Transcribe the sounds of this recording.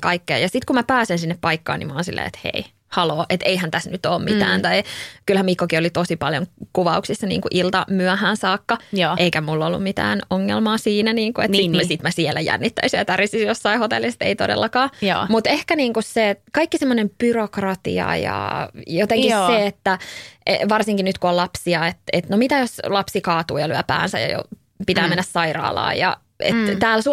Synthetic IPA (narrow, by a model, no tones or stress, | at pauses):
kɑikːḛːjɑsit̪kumæpæːsensinːeppɑikːɑ̰ːnḭmɑːnsilːḛːḛt̪hḛi | hɑloːʔet̪eihænt̪æsnyt̪oːmmit̪æ̰ːnt̪ɑikylhæmmikːokiolit̪osipɑljo̰ŋkuʋɑuksisːɑnḭːŋkuʔilt̪ɑmyæhæːnsɑːkːɑjːʔeikæmulːolːṵmmit̪æ̰ːnoŋːḛlmɑːsiːnæniːŋkuḛtnsisit̪mæsiɛlːæjæ̰nːit̪ːæysijæt̪ærisisjosːɑihot̪elːist̪ḛit̪odḛlːɑkɑːjo̰ːmut̪ehkæniːŋkussekɑikːisemːonemb̥yrokrɑt̪ḭɑ̰jɑ̰jot̪eŋkisseet̪ːæʔeʋɑrsiŋkinyt̪kuolɑpsiɑet̪et̪nomit̪æjoslɑpsikɑːt̪uːjɑlyæpæ̰ːnsæ̰jɑ̰jo̰ | pit̪æːmenːæssɑirɑ̰ːlɑ̰ːjɑ̰ | ḛt̪t̪æːlsu